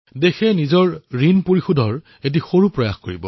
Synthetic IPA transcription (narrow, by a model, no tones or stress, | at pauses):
dexɛnizɔɹɹinpoɹixudʱɔɹ | et̬ixoɹupɹɔjaxkoɹibɔ̰